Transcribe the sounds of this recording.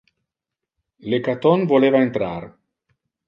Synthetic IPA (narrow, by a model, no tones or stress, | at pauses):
lekat̪onvolevaent̪ɾaɾ